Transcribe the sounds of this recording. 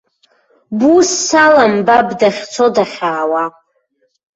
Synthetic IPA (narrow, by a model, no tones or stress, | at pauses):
busːalambabdaχʲt͡sʰo̞daχʲaːwa